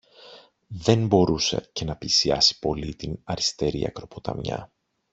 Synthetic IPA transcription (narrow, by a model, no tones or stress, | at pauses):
ðe̞nbo̞ɾusḛce̞nɐpisiɐsi̥po̞lit̪inɐɾist̪e̞ɾḭɐ̰kɾo̞po̞t̪ɐ̰mɲɐ̰